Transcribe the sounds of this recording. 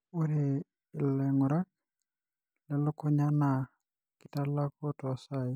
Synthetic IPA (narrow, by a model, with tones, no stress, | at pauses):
ʊ˦ɾɪ˨ | ɪ˨lɛ˨ŋʊ˨ɾa˦k | lɪ˦lɔ˦kʰɔ˦ɲa˦na˨ | kɪta˦la˦kɔ˦tʼwa˨sa˦˨ɪ˦